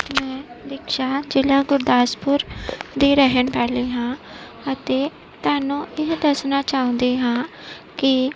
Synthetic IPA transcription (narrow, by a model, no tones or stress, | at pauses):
mɛ̃ːd̪ɪkʰʃaːd͡ʒɪlãːɡʊɾd̪aːspʊɾd̪iːɾəɦənpɛːleːɦãː | ət̪eː | t̪ʊaːnũːʔɪɦd̪əsnaːt͡ʃaːʊ̃ːnd̪iːɦãː | kɪ